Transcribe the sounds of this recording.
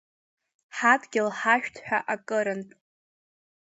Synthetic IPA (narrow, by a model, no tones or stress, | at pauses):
ħatʼʰɡʲɪlħaʃᶣtʰħᶣa̰ʔakʼɨɾɨntʼ